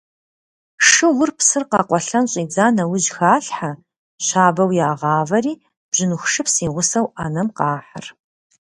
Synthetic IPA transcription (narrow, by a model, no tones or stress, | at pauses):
ʂɨwʊrpsɨrqɑːqʷɔɬɐnɕʼiːd͡zaːnɐwʊʑxaːɬħa | ɕaːbɐwjaːʁɑːvɐriː | b̥ʒ̥ɪnuxʂɨpsiːʁʷʊsɐwanɐmqɑːħa̰r